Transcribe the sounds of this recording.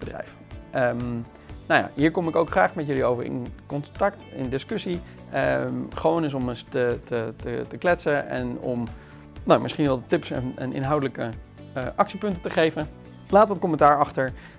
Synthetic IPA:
b̥ədrɛ̰jf | ʔəm | nawja̰ːɦiːɹkɔmɪkowkχraːχmɛtjɵliowvə̰ɹɪ̰nkɔntɑk̚tɪ̰ndɪskɵsi | əmχʋownɪs̬ɔməstətətətəklɛtsəɛ̰nɔ̰m | nowmɪsχinʋɛlˠdətɪpsɛ̰nɛ̰nɪ̰nɦɑwdələkə | əʔɑksipɵntətəχejvən | laːtʋɑt̚kɔməntaːɹɑχtəɹ

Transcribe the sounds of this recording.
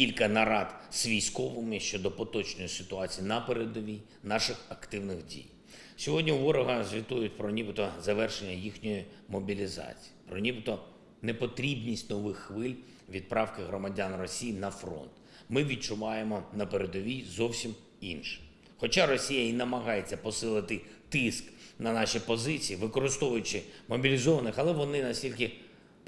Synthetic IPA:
kʲilʲkɐnɐɾɑd̪sʋʲijsʲkɔʋɪmɪʃt͡ʃɔd̪ɔpɔt̪ɔt͡ʃnɔjisɪt̪ʊɑt͡sʲijinɐpeɾed̪ɔi | nɑʃɪxɐkt̪ɪwnɪɣdʲḭj | sʲɔɦɔdʲnʲiuʋɔɾɔɦɐzʲʋʲit̪ujʊt̚ʲpɾɔnʲibɪt̪ɔzɐʋɛrʃenʲːɐjixnʲɔjimɔbʲilʲizɑ̰t͡sʲi̥jipɾɔnʲibɪt̪ɔ | nepɔt̪ɾʲibnʲisʲtʲnɔʋɪxːʋɪlʲ | ʋʲid̪̚pɾɑwkɪɦɾɔmɐdʲanrɔsʲijinɐfɾɔ̰nt̪ | mɪʋʲid̪̚t͡ʃʊʋɑjemɔnɐpeɾed̪ɔʋʲizɔwsʲim | ḭnʃɛ̥ | xɔt͡ʃɑrɔsʲijɐinɐmɐɦɑjet͡sʲːɐpɔsɪlˠɪt̪ɪt̪ɪsknɐnɑʃipɔzɪt͡sʲijːʋɪkɔɾɪst̪ɔʋʊjʊt͡ʃɪmɔbʲilʲizɔʋɐnɪxɐlˠɛʋɔnɪnɐsʲtʲilʲk̬ɪ

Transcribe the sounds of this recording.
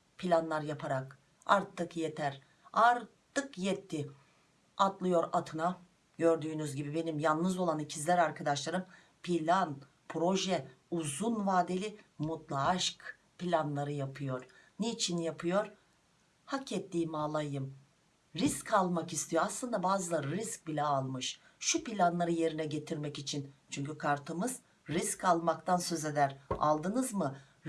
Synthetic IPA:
pʰilʲanlˠaɾjapʰaɾak | a̰ɾt̪ʰːɯkjet̪ʰæɾ | aɾt̪ʰɯkjɛt̪ʰːɪ | at̪lˠɯjo̞ɾat̪ʰɯna | ɟø̞ɾd̪yːnyzɟibibe̞nimjalˠnɯzo̞lˠanicʰizlʲæɾaɾkʰad̪aʃlˠaɾɯm | pʰilʲan | pʰɾo̞ʒɛ | uzunvaːd̪e̞lʲimut̪lˠaʃk | pilʲanlˠaɾɯjapʰɯjo̞ɾ̥neit͡ʃʰinjapʰɯjo̞ɾ | hacɛt̪ʰːiːmaːlˠajɯm | ɾiskʰalˠmakist̪ʰijoaslˠɯnd̪abaːzɯlˠaɾisc̚bilʲɛalˠmɯʃ | ʃupilʲanlˠaɾɯje̞ɾinɛɟe̞t̪ʰiɾmɛcit͡ʃʰint͡ʃʰyɲcykʰaɾt̪ʰɯmɯz | ɾiscʰalˠmakt̪ʰansø̞ze̞d̪æɾa̰lˠd̪ɯnɯzmɯ

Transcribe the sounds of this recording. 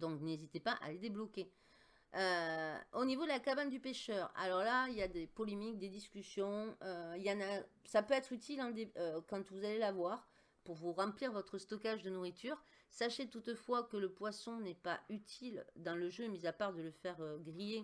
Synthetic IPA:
d̪ɔ̃knezit̪epaʔa̰led̪eblɔkʲe | øonivod̪əlakaband̪ypeʃœʁa̰lɔʁlailjad̪epɔlemik̚d̪ed̪iskʲysjɔ̃øiljɑ̃nasapøɛt̪χyt̪ʰilɛ̃d̪eøkɑ̃t̪vuzalelavwaʁ | puʁvuʁɑ̃pliʁvɔt̪χəst̪ɔkaʒd̪ənuʁit̪ʰyʁ | saʃet̪ut̪fwakələpwasɔ̃nɛpayt̪ʰild̪ɑ̃ləʒømizapaʁd̪ələfɛʁøɡʁije

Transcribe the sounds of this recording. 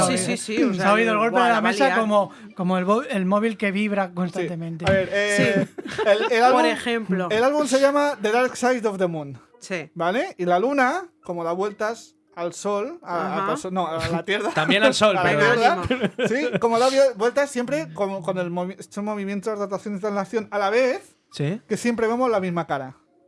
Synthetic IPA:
siisiaoiðoelɣo̞lppeðelamesakomo | komoelβoelmoβilke̞βiβɾakonst̪annt̪emẽnt̪eaβeɾesielelaleemploelalβumse̞ʝamaðeðaɾksaj̪ofðemũn | sibale̞ilalunako̞moðaβwe̞lt̪as | alsolaaasonoalat̪jeɾðat̪ambjenalsolalat̪jeɾðasiko̞moðaβjebwe̞lt̪asːje̞mpɾe̞komko̞nelmotomo̞β̞imje̞nt̪ozðat̪aθjonezðansaθjonalaβ̞e̞θ | sike̞sje̞mpɾe̞βemo̞zlamizmakaɾa

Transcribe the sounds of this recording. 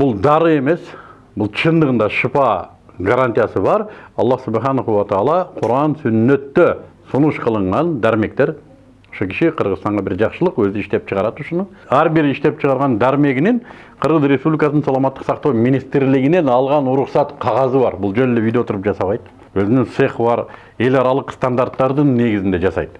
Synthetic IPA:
bʊlˠd̪ɑɾəe̞me̞s | bʊlˠt͡ʃʰənd̪əʁənd̪ɑʃəpɑ | ɡaɾant̪ijɑsəbɑɾɑ̰lˠːɑsʊbɑjχɑnoʁuwɑt̪ɑlˠɑqʰʊɾɑnsɵnːet̪ːɪ | sʊnəʃqʰəlˠəɴʁɑnd̪æɾme̞kt̪e̞ɾ | o̥ʃəkʲʰɪ̥ʃeqʰəɾʁəzt̪ɑɴʁɑbɪɾʒɑqʃəlˠəqwɵzɪɪʃt̪e̞p̚t͡ʃʰəʁɑɾɑd̪ʊʃənəɴæɾbɪɾɪʃt̪e̞pt͡ʃʰəʁɑɾʁɑnd̪æɾme̞ɡʲɪnɪɴ | qʰəɾʁəzɾe̞spublʲijkɑsnəɴɑlˠɑmɑt̪ːə̥qsɑqt̪ɑwminijst̪ɾlɪɡʲɪne̞nɑlˠʁɑnʊɾʊqsɑt̪qʰɑʁɑzəbɑɾbʊlˠʒɵnlːɪvijd̪eot̪əɾəpʒɑsɑβɑjd̪ə | wɵzɪnɪŋseχbɑɾ | e̞lɑɾɑlˠəqst̪ɑnd̪aɾt̪ːɑɾd̪əɴne̞ɡʲɪzɪnd̪e̞ʒɑsɑ̰jd̪ə

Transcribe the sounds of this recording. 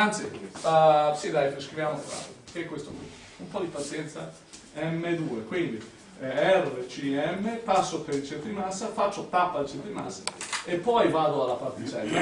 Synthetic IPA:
ant̪sifasid̪ajteskɾivjaːmofa̰t̪okekwest̪o̰kḭ | umpɔd̪ipat̪sjɛnt̪sa | ɛmːed̪uːekwind̪i | ɛret͡ʃiɛmːepasːopeɾilt͡ʃent̪ɾimasːafat͡ʃːot̪apːalit͡ʃent̪ɾima̰sːaepːɔjvaːd̪oalːapart̪it͡ʃɛ̰lːa

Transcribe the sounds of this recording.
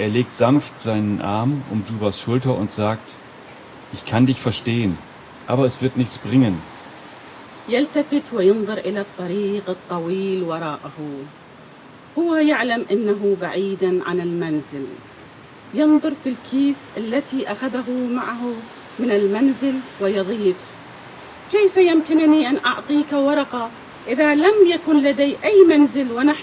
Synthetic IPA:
ʔeːɐleːk̚tz̥anftz̥aɪnənʔa̰ɐmʔʊ̰mduːbasʃʊltɐʔʊntz̥aːkt | ʔɪçkʰandɪçfɛɐʃteːən | ʔaːbɐɛsv̥ɪɐtnɪçt͡sb̥ʁɪŋən | jalt̪afɪt̪wɪjʊnðˤʊɾʔɪlat̪ˤːɑɾiːqɨt̪ˤːɑwiːlwɑɾˤɑːʔahu | hʊwajaʕlamʔanːaɦʊba̰ʕiːd̪aʕa̰nɪlmanzɪl | jɨnðˤʊɾˤfilkʰiːsʔalːat̪iʔaxaðaɦʊmaʕaɦʊ | mɪnɪlmanzɪlwɪjɑðˤiːf | kejfajɪmkɪnniʔanʔɑʕt̪ˤiːkawɑɾˤɑqɑ | ʔɪðalamjakʊnlad̪ajʔajːmanzɪlwɪnaħ

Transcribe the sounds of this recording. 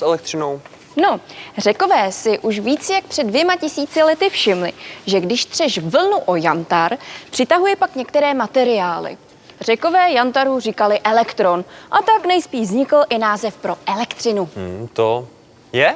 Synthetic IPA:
sʔɛlɛk̚t̪r̥ɪnow | no̞rɛkovɛːsɪʔuʃviːt͡sjak̚pr̥ɛdvjɛmacɪsiːt͡sɪlɛt̪ɪfʃɪmlɪ̰ʒɛɡdɪʃt̪r̝̥ɛʃvvl̩nuʔo̞jant̪aɾpr̥ɪt̪aɦujɛpakɲɛk̚t̪ɛɾɛːmat̪ɛɾɪjaːlɪ̰ | r̝ɛko̞vɛːjant̪aɾuriːkalɪʔɛlɛkt̪ɾo̞nʔat̪aknɛjspiːʃzɲɪkl̩ʔɪnaːzɛfpɾo̞ʔɛlɛkt̪r̝̥ɪnut̪o | jɛ

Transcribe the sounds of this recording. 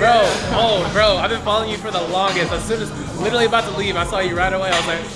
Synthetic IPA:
ɹoʊoʊɡɹoʊaɪvbɨ̃nfɑlˠoʊɪ̃ŋjɨfə˞ðəlɔ̃ŋɡɨstɨz̥sʉ̃nɨz | lɪɾə˞l̩ˠiɨbaʊt̪̚ʰəlivaɪsɔjɨɹaɪɾəweɪaɪwʌzlaɪk

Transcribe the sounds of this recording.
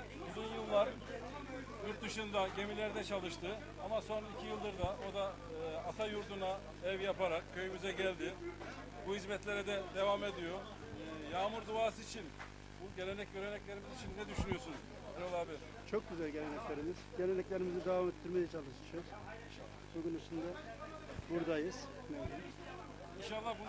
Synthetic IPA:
uzunjɯlˠːaɾ | jyɾt̪̚d̪ɯʃund̪aɟe̞milʲæɾd̪ɛt͡ʃʰalˠɯʃt̪ɯ | amaso̞nicʰijɯlˠd̪ɯɾd̪ao̞d̪aː | t̪ʰajuɾt̪ʰuna | ɛvjapaɾak̚cʰø̞jymyzɛɟælʲd̪ɪ | buɦizmɛt̪lʲe̞ɾɛd̪ɛd̪e̞vame̞d̪ijo̞ | jaːmuɾd̪uaːsɯit͡ʃʰin | buɟe̞lʲe̞nɛc̚ɟøɾenɛclʲe̞ɾimizit͡ʃʰinːɛd̪yʃynyjo̞sunz | ɛɾolˠabi | t͡ʃʰo̞k̚ɟyzælʲɟe̞lʲenɛclʲe̞ɾimiz̥ɟelʲenɛclʲeɾimizid̪evamet̪ʰːiɾmejɛt͡ʃʰalˠɯʃɯ̥ʃɯjoz | alːˠasoɡunit͡ʃʰind̪ɛ | buɾd̪ajɯz̥ | my | inʃalˠːabu

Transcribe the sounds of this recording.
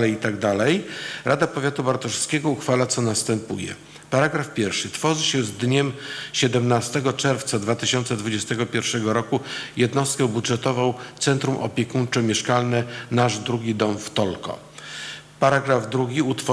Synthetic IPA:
lɛjit̪aɡd̪alɛjɾʔad̪apɔvʲjat̪ubaɾt̪ɔʂskʲɛɡɔuxfalat̪sɔnast̪ɛmpujɛ̰ | paɾaɡɾafpʲjɛɾfʂɘt̪fɔʐɘɕɛzd̪ɲɛmɕɛd̪ɛmnast̪ɛɡɔt͡ʂɛɾft̪sad̪vat̪ɘɕɔnt̪sɛd̪vud͡ʑɛst̪ɛɡɔpʲjɛɾfʂɛɡɔɾɔkujɛd̪nɔst̪̚kɛwbudʐɛt̪ɔvɔ̃w̃t̪sɛnt̪ɾumʔɔ̰pʲjɛkunt͡ʂɛmʲjɛʂkalnɛnaʐd̪ɾuɡʲid̪ɔmft̪ɔlkɔ̰ | paɾaɡɾavd̪ɾuɡʲiut̪fɔ

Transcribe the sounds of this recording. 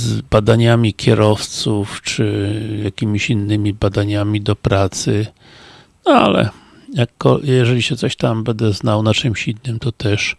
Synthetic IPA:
zbad̪aɲamʲikʲʰɛɾɔft̪suft͡ʂɘjakʲimʲiɕinːɘmʲibad̪aɲamʲid̪ɔpɾat̪sɘ | na̰lɛ̰ | jakːɔjɛʐɛlʲiɕɛt̪sɔɕt̪ambɛnd̪ɛznawnat͡ʂɘmɕinːɘmt̪ɔt̪ɛʂ

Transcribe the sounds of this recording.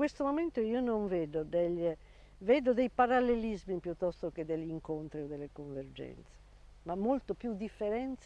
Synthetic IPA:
west̪omoment̪oionoɱvɛːd̪od̪eʎ | vɛːd̪od̪ejpaɾalːelizmipjut̪ːɔst̪oked̪eʎːiŋkont̪ɾiɔd̪elːekoɱvɛrd͡ʒɛ̰nt̪se̥ | mamːolt̪opjud̪ːifːɛɾɛnt̪s

